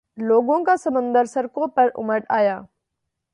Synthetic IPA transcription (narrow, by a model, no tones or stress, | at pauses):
loːɡõːkasɐmə̃nd̪əɾsɐɾkoːpɐɾʊ̰məʈaːjaː